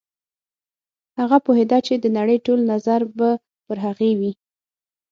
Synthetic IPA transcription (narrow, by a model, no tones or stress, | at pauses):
haɣapoɦed̪ɑt͡ʃed̪ənaɽəjʈolnazaɾba | pəɾɦaɣewi